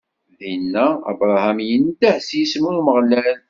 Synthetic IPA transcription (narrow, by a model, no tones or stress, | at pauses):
ðinːæə̰bɾˤɑhæmjənd̪aħsjismuɾməʁlæl